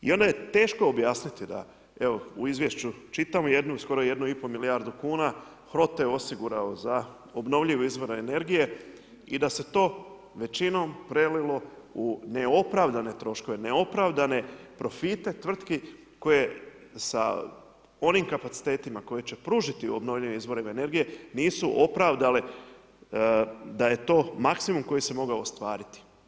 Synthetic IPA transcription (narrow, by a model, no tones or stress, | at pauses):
ḭo̞nd̪aje̞t̪e̞ːʃkoobjaːsnit̪id̪a̰ | eʋo̞uizʋje̞ʃt͡ʃut͡ʃit̪amoje̞d̪nusko̞ɾo̞je̞d̪nuipo̞miliaɾd̪ukuːna | xɾo̞t̪jeo̞siɡuɾaoza | obno̞ʋʎiʋuizʋo̞ɾene̞ɾɡije̞ | id̪ase̞t̪o̞ː | ʋe̞t͡ʃino̞mpɾelilo̞ | une̞o̞pɾaʋd̪ane̞t̪ɾo̞ʃko̞ʋe̞ne̞o̞pɾaʋd̪ane̞pɾo̞fit̪e̞t̪ʋr̩t̪ki | ko̞je̞ | sa̰ | o̞nimkapat̪si̥t̪e̞ːt̪imako̞je̞t͡ɕe̞pɾuːʒit̪iuobno̞ʋʎiʋimizʋo̞ɾimene̞ɾɡije̞niːsuʔo̞pɾaʋd̪ale | d̪aje̞t̪o̞ːmaksimumko̞jise̞mo̞ɡaost̪ʋaːɾit̪i̥